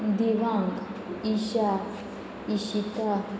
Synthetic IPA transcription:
d̪iʋaŋɡiʃa | iʃit̪a

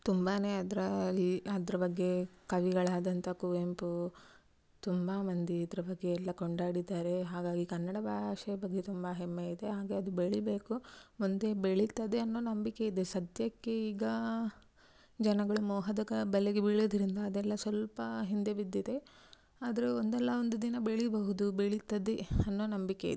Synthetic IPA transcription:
t̪umbaːne̞ːɐd̪ɐɾɐɐd̪ɾɐbɐɡːe̞kɐʋiɡɐɭaːd̪ɐnt̪ʰɐkuʋempu | t̪umbaːmɐnd̪iːd̪ɐɾɐbɐɡːeːlːɐkoɳɖaːɽid̪aːɾe̞ɦaːɡaːɡikɐnːɐɽɐbaːaːʃɐjɐbɐɡːet̪umbɐɦemːeid̪eɦaːɡeɐd̪ubeɭibe̞ːkuond̪e̞beɭit̪ːɐd̪e̞ɐnːo̞ːnɐmbikeid̪esɐd̪jɐkːe̞iːɡɐ | d͡ʒɐnɐɡɐɭumɔːɦɐd̪ɐɡɐbɐleɡebiɭoːd̪ɐɾind̪ɐːd̪ɛlːɐsʋɐlpɐɦind̪e̞bid̪ːid̪e̞ | aːd̪ɐɾeond̪ɛlːɐond̪ud̪inɐbeɭibɐɦud̪ubeɭit̪ːɐd̪eɐnːo̞ːnɐmbikḛḭd̪e

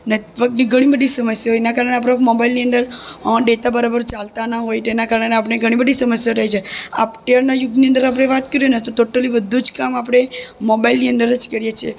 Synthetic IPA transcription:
neʋək̪̚niɡʱəɽ̃ibəd̪ʱisəməsjaɦoenakaɾəɳeapɽemobailniənd̪əɾɖet̪abəɾabəɾt͡ʃalt̪anaɦojt̪enakaɾəneap̬ɽeɡʱəɽ̃ibəd̪ʱisəməsjaɾəɦit͡ʃʰea̰pʈ̪ejaɾnajuɡniə̃nd̪əɾap̬ɽ̃eʋat̪kəɾijonet̪ot̪oʈəlibəd̪ʱud͡ʒkamap̬ɽ̃emobailniənd̪əɾd͡ʒkəɾjet͡ʃʰie

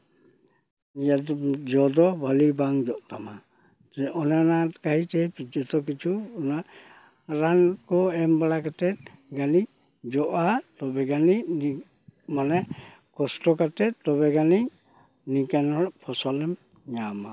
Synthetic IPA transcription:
jadɔd͡ʒɔd̪ɔbʱalibaŋd͡ʒɔʔt̪ama | ɛɔnɛɔnatkaɦitɛpid͡ʒɔt̪ɔk̬it͡ʃʰuɔna | ɾankɔɛmbaɽakat̪ɛt̪̚ɡani | d͡ʒɔʔatɔbɛɡanini | manɛ | kɔstɔkat̪ɛt̪̚tɔbɛɡani | nikanɔpʰɔsɔlɛm | ɲama

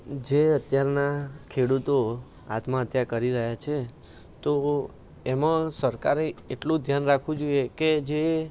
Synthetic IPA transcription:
d͡ʒeət̪jaɾnakʰeɽut̪o | a̰t̪mãət̪jakəɾiɾəɦjat͡ʃʰe | t̪o | emãsəɾkaɾeeʈlũd̪ʱjanɾakʰʋũd͡ʒoijeked͡ʒe

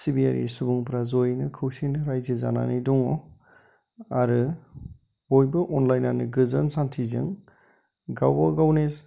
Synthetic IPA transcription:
sibia̰ɾʔḭsubuŋpʰɾazojnɯkʰɯwsinɾajzeza̰na̰nidɔŋɔ | aɾɯ | ojbɯʔɔnlajnanɯɡɯzɯnsantʰizɯ̰ŋ | ɡawbaɡawnes

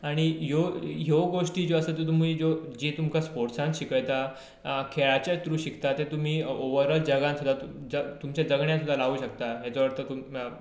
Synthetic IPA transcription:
aɽ̃ijoɦjeɡoʂʈiːd͡zoəsət̪et̪um̤iːd͡zod͡ʑet̪umkʰaspoɾʈsãnɕikəjt̪a | kʰeɭat͡ɕjat̪ɾuːɕikt̪at̪et̪um̤iːoʋəɾəld͡ʑəɡãnsud̪ʱːat̪ud͡zət̪umt͡ɕjad͡zəɡɳjãsud̪ʱalaʋuːɕəkt̪aɦjat͡səʋəɾt̪ət̪um

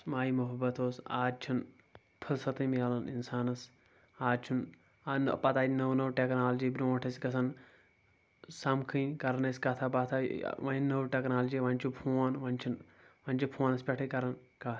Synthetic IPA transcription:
maːjimuɦɐbːɐt̪oːsa̰ːd̚t͡ʃʰun | pʰɐlsɐt̪ɨmiaːlɐnḭnsaːnɐs | aːd̚t͡ʃʰun | n̰pɐt̪aːd͡ʒnɐwnɐwʈeknaːld͡ʒiːbɾoːʈʰɐsʲkɐsɐn | sɐmkʰĩjkɐɾɐnɐsʲkɐt̪ʰapɐt̪ʰa̰ʋɐinɐwʈʲeknaːld͡ʒiːʋɐ̃nʲt͡ʃʰupʰuːanʋɐnʲt͡ʃʰin | ʋɐnʲt͡ʃʰipʰoːnɐspʲeʈʰikɐɾɐn | kaː

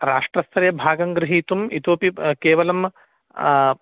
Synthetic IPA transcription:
ɾaːʂʈɾɐst̪ʰɐɾɐjɐbʱaːɡɐŋɡɾɪɦiːt̪umit̪oːpikeːʋɐlɐm

